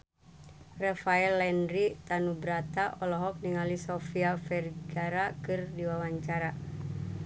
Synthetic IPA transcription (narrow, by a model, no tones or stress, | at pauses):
rɛfaɛlːɛnɾit̪anubɾat̪aʔɔlɔɦɔk̚niŋalisɔfiafɛrɡaɾakɨrdiwawaɲt͡ʃaɾa